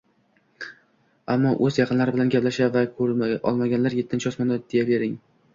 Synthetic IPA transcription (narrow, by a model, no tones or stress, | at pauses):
amːɒʔɵzjɑqʰɨnlaɾɪbɪlanɡʲaplaʃavakʰɵɾɒ̰lˠmaɡʲanlaɾje̞t̪ʰːɪnt͡ʃʰɪɒsmɒnɪd̪̥ejabe̞ɾɪŋ